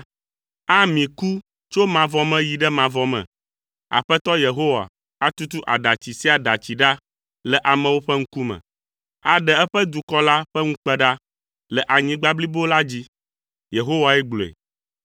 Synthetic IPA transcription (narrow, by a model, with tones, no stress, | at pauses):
a˦mĩ˨ku˦ | t͡ʃo˦mã˨vɔ˦mɛ̃˦ji˨ɖɛ˦mã˨vɔ˦mɛ̰̃˨ | a̰˨ɸɛ˦t̪ɔ˦je˨ɦo˦wa̰˨ | a˦t̪u˦t̪u˦ʔa˨ɖa˨t͡ɕi˨si˦a˨ɖa˨t͡ɕi˨ɖa˦ | lə˨ʔa˨mɛ̃˨wo˦ɸɛ˦ŋ̩˦ku˦mɛ̰̃˨ | a˨ɖɛ˨ɛ˦ɸɛ˦d̪u˨kɔ˦la˦ɸɛ˦ŋũ˦k͡pɛ˦ɖa˦ | lə˨ʔa˨ɲĩ˦ɡ͡ba˦bli˦bo˦la˦d͡ʑi˦ | je˨ɦo˦wa˨ɛ˦ɡ͡blo˨ḛ˨